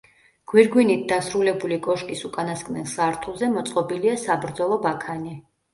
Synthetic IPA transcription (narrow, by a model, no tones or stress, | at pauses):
ɡ̥wiɾɡwinit̪̚d̪asɾulɛbulikʼɔʃkʼisukʼanaskʼnɛlˠsaɾt̪ʰulˠzɛmɔt̪sʼqʼɔbiliasabɾd̪zɔlˠɔbakʰani